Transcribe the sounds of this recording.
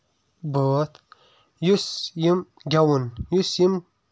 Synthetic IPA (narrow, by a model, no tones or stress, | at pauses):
bət̪ʰ | jusjim | ɡʲawunjusjim